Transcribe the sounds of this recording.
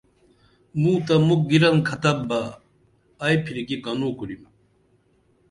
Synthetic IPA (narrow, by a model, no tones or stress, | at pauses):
muːt̪amuk̚ɡiɾɐnkʰɐt̪ɐbaː | jpʰiɾikikanuːkuɾima